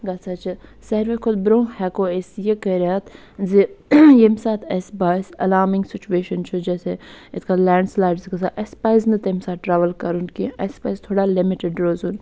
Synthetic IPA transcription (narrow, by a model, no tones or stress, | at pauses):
ɡɐt͡sʰaːt͡ʃʰisɐɾʋekʰʊd̪bɾoːŋhɛːkoːesjekɐɾaːt̪ | zijemsaːt̪ʰɐsbaːsɐ̰laːmĩŋɡsɪt͡ʃueːʃənt͡ʃʰud͡ʒɛːseet̪kalɛ̃ːɳɖslaːjɖzkɐsaːʔɐspaːjznɨt̪emsaːʈɾaːʋəlkɐɾunkiɐspaːjzt̪ʰoːɽalimiʈɪɖɾoːzun